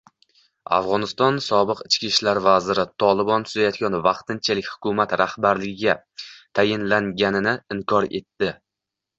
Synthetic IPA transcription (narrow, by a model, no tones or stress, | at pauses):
a̰fʁɒnɪst̪ɒnsɒbɨqɪt͡ʃkʲiʃlaɾvazɪɾɪt̪ʰɒlˠɪbɒnt̪ʰʊzajɒt̪̚ɡʲanvɑqt̪ʰɪnt͡ʃʰalɪkʲhʊ̥kʰʊmat̪ɾahbaɾlɪɡʲɪɡʲa | t̪ʰajɪnlaŋɡʲanɪnɪɪŋkʰɒɾe̞t̪ːɪ